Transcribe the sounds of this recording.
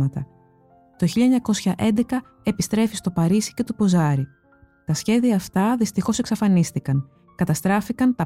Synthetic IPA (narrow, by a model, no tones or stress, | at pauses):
ɐt̪ɐ | t̪o̞çiʎɐeɲɐko̞sçɐʔe̞nd̪e̞kɐ | e̞pist̪ɾe̞fist̪o̞pɐɾisi̥ce̞t̪upo̞zɐɾi | t̪ɐsçe̞ðiɐːft̪ɐðist̪ixo̞se̞ksɐfɐnist̪ikɐŋ | kɐt̪ɐst̪ɾɐfikɐnt̪ɐ